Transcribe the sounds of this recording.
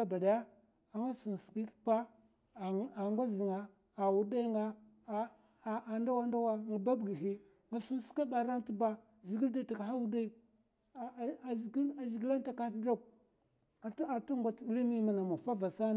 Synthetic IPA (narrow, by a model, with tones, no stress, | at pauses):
a˦ba˨da˨ja˦ | a˨ŋa˦su˨n˨ski˦tpa˦˨ | a˨ŋɡʷa˦zi˨ŋa˨ | a˨wu˨da˦i˦ŋɡa˦˨ | a˨nda˦wa˦nda˦wa˦ŋɡa˨ba˦bɡi˨hi˦ | ŋɡa˨su˦n˦ska˦ba˨ɾa˦n˦ti˦ba˦ | zi˨ɡi˦lda˦˨ta˨ka˨ha˦wu˦da˦i˨ | ɡa˨zi˨ɡi˦la˦n˦ta˨ka˦tdo˦k̚ | a˨ta˨ta˦ŋɡa˨t͡sli˦ni˦ma˨na˨ma˨fa˦va˨sa˦˨